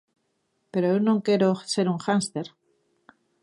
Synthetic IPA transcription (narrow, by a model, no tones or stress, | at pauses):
pe̞ɾoewnõŋke̞ɾose̞ɾuŋxanst̪eɾ